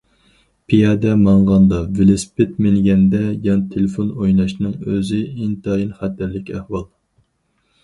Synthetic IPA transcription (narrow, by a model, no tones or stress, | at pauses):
pʰijɑd̪ɛmɑɴʁɑnd̪ɑvelɪspɪt̪̚mɪlɡʲɛnd̪ɛjɑnt̪ʰelɪfonojnɑʃnɨŋøzɪint̪ʰɑinχæt̪ʰæɾlɪkʲɛhwɑlˠ